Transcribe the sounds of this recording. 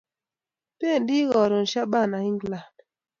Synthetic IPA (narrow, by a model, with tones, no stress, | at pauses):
pe˦˨n˨˦di˦ɣɔ˨ɾo˨n̩˨ʃa˦ɓa˦˨na˨hi˦ŋ˦ɡla˨